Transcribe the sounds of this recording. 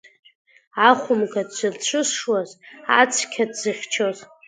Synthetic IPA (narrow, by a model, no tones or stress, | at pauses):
aχʷʊmkadd͡ʒʷɨrt͡ɕʷʰɨsʂwaza̰t͡sʷʰkʲʰadzɨχʲt͡ʃʰoz